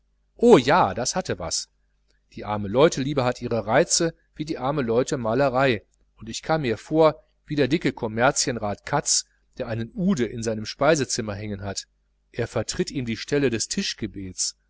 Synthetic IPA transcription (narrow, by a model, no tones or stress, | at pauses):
ʔoːjaːdashatəva̰s | d̥iːʔa̰ɐməlɔʏtʰəliːbɐhatʔiːʁəʁaɪt͡sə | v̥iːdiːʔaɐməlɔʏtəmaːləʁaɪ | ʔʊntɪçkʰaːmmiːɐfoːɐ | v̥iːdeːɐdɪkəkʰɔmɛɐt͡sjənʁaːtkʰat͡s | d̥eːɐʔaɪnənʔuːdəʔɪnzaɪnəmʃpaɪzət͡sɪmɐɦɛŋənɦat | ʔeːɐfɛɐtʁ̥ɪtʔiːmdiːʃtʰɛlədɛstʰɪʃɡ̥əbeːt͡s